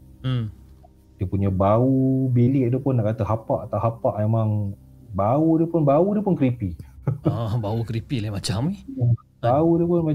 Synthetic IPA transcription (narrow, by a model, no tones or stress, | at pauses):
d̥iəpuɲabaubilɪʔ̚dupʊnːaʔkat̪əhapaʔat̪awɦapaʔmemaŋ | baudəpʊnbaudəpʊnkɾipiabaukɾipilaimat͡ʃamih | baudəpʊnma